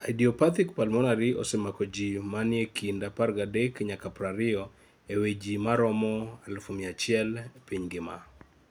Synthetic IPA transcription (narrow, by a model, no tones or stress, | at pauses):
ajdiɔpat̪ikpalmɔnaɾiʔɔ̰sɛmakɔd͡ʒimanjekʰindaparɡadekɲakapɾaɾɪɔ | ewed͡ʒimaɾɔmɔalfomɪat͡ʃɪɛlpiɲɡɪma̰